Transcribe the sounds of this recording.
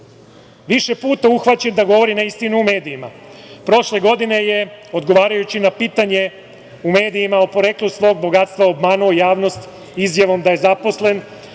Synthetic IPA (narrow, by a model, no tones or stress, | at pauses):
ʋiʃe̞puːt̪auxʋat͡ɕe̞nd̪aɡo̞ʋo̞ɾinaist̪inuume̞ːd̪iːma | pɾo̞ʃle̞ɡo̞d̪ine̞je̞o̞d̪ɡo̞ʋaːɾajut͡ɕinapiːt̪aɲe̞ | ume̞ːd̪iimaopo̞ɾe̞klusʋo̞ːɡ̚bo̞ɡat̪st̪ʋaobmaːnuo̞jaːʋno̞st̪ | izjaʋo̞md̪aje̞zapo̞sle̞n